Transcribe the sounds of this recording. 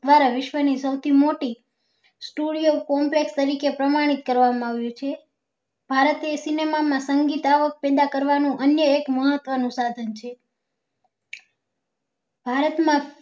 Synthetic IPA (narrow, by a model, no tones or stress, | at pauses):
ʋaɾaʋɪʃʋənisəwt̪ʰimoʈi | sʈuɽijokɔmplekst̪əɾikepɾəmaɽ̃it̪̚kəɾʋamãaʋjũt͡ʃʰe | b̥ʱaɾət̪esinemamãsəŋɡit̪aʋək̚pɛd̪akəɾʋanũʔənjəekməɦət̪ʋənũsad̪ʱənt͡ʃʰe | b̥ʱaɾət̪mã